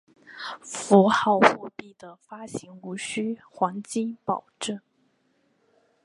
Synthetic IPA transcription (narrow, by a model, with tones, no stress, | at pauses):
fu˧˥xɑ˥˧ʊxu˥˧pi˥˩d̪ə˩fa˥ɕi˧˥ŋu˧˥ɕy˥xwa˧˥ŋt͡ɕi˥˩ŋpɑ˨˩ʊʈ͡ʂə˥˩n